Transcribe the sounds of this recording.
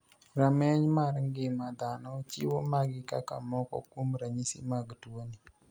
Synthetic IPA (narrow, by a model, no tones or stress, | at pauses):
ɾamɛɲmarŋɡɪmad̪anɔt͡ʃɪ̰womaɡɪkaka̰mɔkɔ̰kwomɾaɲisḭmaɡtwoni